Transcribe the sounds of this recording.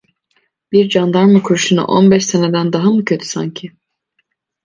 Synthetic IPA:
biɾd͡ʒand̪aɾmukʰuɾuʃuna̰ʔo̰nbɛʃsened̪ænd̪aɦamucʰø̞t̪ʰy̥sa̰ɲcʰɪ

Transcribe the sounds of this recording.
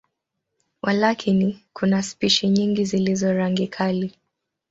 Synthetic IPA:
wʔalakʰinikunaspiʃiɲiŋɡizilizɔɾaŋɡikʰali

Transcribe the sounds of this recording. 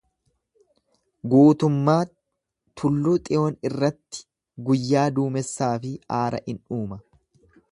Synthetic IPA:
ɡuːt̪ʊmːaː | t̪ʰʊlːuːt̪ʼɪʔoːnɪrːɐt̪ːɪ̥ | ɡʊjːaːd̪uːmɛsːaːfɪaːɾɐ̰ʔɪnuːmɐ

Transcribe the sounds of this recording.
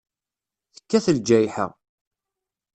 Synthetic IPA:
θə̥kːæθəld͡ʒæjħə̰ʁ

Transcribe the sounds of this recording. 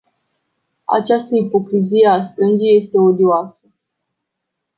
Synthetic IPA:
a̰t͡ʃast̪əipo̞kɾizije̞ast̪ɾɨnd͡ʒije̞st̪e̞o̞d̪ioasə

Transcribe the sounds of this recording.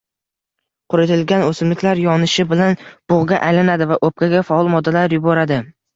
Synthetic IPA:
qʰʊɾɪt̪ʰɪlɡʲanɵsɪmlɪkʲlaɾjɒnɪʃɪbɪlanb̥ʊʁɡʲaʔajlɪnad̪ɪvaʔop̚kʰʲaɡʲafaɒlˠmɒd̪ːalaɾjʊbɒɾad̪ɪ

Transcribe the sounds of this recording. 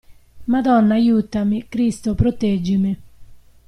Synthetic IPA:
mad̪ɔnːaːjuːt̪ːamikɾist̪opɾot̪ɛd͡ʒːimi

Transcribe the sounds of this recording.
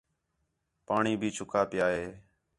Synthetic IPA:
paːɳiːbʱiːt͡ʃʰʊkʰaːpɪjaːɦeː

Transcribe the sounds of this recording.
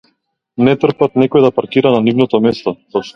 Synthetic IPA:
nɛt̪r̩pat̪nɛkɔjd̪apaɾkiɾananivnɔt̪ɔmɛst̪ɔsɔpʃt̪

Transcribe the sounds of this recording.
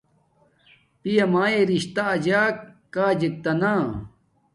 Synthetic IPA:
pijɐmaːeɾiɕt̪aːd͡ʑaːkː | aːd͡ʑik̚t̪ɐnaː

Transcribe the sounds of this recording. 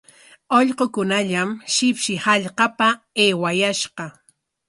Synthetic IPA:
oʎqokʊnaʎamʃɪpʃɪhaʎqɑpa | eːwajaʃqɑ

